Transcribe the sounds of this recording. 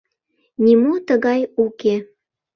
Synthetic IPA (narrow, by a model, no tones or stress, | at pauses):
nʲimot̪əɣɑjuke